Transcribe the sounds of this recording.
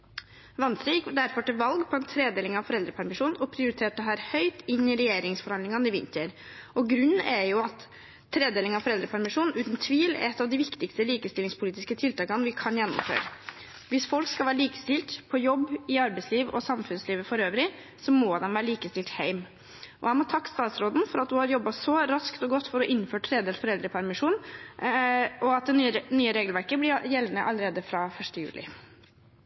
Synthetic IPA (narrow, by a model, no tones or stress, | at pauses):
ʋɑnsɾijɪkd̪æɾfɔʈɪʋɑlɡpʰɔɛnt̪ʰɾeːd̪eːlɪŋɑʋfɔɾɛld̪ɾəpʰæɾmɪʂuːnɔpʰɾɪʊɾɪt̪ʰeːʈəɦæːɾhœʏt̪ɪnːɪɾɛjeːɾɪŋsfɔɾhɑnd̪lɪŋɑnɪʋɪ̰nt̪əɾ | ɔɡɾʉnːʔɛjʊɑt̪ʰː | ɾeːd̪eːlɪŋɑʋfɔɾɛld̪ɾəpʰæɾmɪʂuːnn̩ʔʉːt̪n̩t̪ʰʋiːl̰ɛt̪ːɑʋd̪ɪʋɪkt̪ɪkst̪əliːkəst̪ɪlɪŋspʰʊliːt̪ɪskət̪ʰɪlt̪ʰɑːkɑnʋɪkʰɑnjɛnːɔ̰mfø̰ːɾ | ʋɪsfɔlkskɑlʋæːɾəɭiːkə̥st̪ɪlt̪pʰɔjɔbːɪɑɾbɛɪsliːʋɔsɑmfʉnsliːʋəfɔɾøːʋɾɪ | sɔmoːd̪ɛmʋæːɾəliːkəst̪ɪlt̪hæɪm | ʔɔ̰æɪmɔt̪ʰɑkːst̪ɑːt̪sɾoːd̪n̩fɔɾɑt̪̚d̪ʉhɑɾjɔbːɑsɔɾɑskt̪ɔɡɔt̪ːfɔɾɔʔɪnːføːʈʰɾeːd̪ɛːlsfɔɾɛld̪ɾəpʰæɾmɪʂuːn | ʔɔɑt̪̚d̪ɛnyːəɾeːɡəlʋæɾkəblɪɾjɛlənəʔɑləɾeːd̪əfɾɑfœʂʈəjʉ̰ːlʔɪ̰